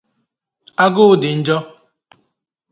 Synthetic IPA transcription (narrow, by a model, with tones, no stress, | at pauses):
a˦ɡʊ˦ʊ˦dɪ˨n̩˦d͡ʒɔ˦